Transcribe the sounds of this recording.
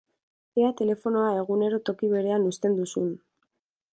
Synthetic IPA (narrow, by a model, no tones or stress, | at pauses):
eat̪e̞le̞fo̞no̞ae̞ɣ̞une̞ɾo̞t̪o̞kiβ̞e̞ɾe̞anust̪e̞nd̪usun